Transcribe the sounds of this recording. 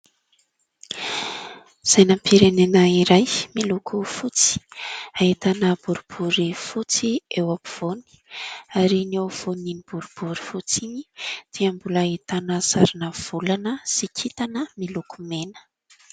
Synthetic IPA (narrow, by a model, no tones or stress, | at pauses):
z̥ajnampʰiɾenenəiɾajmilukʰufut͡si̥aɦit̪anəb̥uɾub̥uɾifut͡siewaku̥v̥oni̥aɾiniawv̥oninib̥uɾub̥uɾi̥fut͡siɲid̪̥iambulːit̪anəsaɾinəv̥ulanəsikʰit̪anəmilukumenə̥